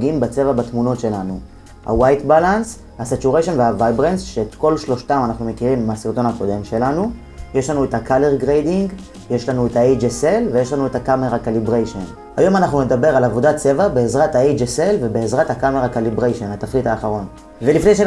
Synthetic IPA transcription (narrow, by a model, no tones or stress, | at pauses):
ɡiimbat͡se̞vabatmuno̞tʃe̞lanu | ha̰wajtbalans | hasat͡ʃuʁeʃonveavajbʁensʃeetko̞lʃlo̞ʃtamanaχnume̞kiʁimmasiʁt̪o̞nhako̞de̞mʃe̞lanu | jeʃlanuethakale̞ʁɡʁejdiŋɡ | jeʃlanuethaejd͡ʒeselve̞jeʃlanuethakameʁakalibʁejʃon | ha̰jo̞manaχnune̞d̪abe̞ʁalavo̞dat͡se̞vabeːzʁathaejd͡ʒese̞lve̞be̞ezʁathakame̞ʁakalibʁejʃenat̪aχlitaːχaʁo̞n | velifnejʃ̬e